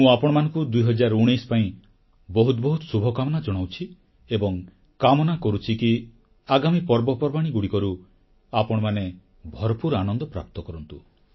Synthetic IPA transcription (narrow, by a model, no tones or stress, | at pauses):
mũapɔɽ̃ɔmanɔŋkud̪ujɦɔd͡ʒaɾuɽ̃ijspaĩ | bɔɦut̪ɔbɔɦut̪subʱɔkamɔnad͡ʒɔɽ̃awt͡ʃʰi | ebɔŋ | kamɔnakɔɾut͡ʃʰiki | aɡamipɔɾbɔpɔɾbaɽ̃iɡuɽikɔɾu | apɔɽ̃ɔmane | bʱɔɾɔpuɾanɔnd̪ɔpɾa̰p̚t̪ɔkɔɾɔnt̪u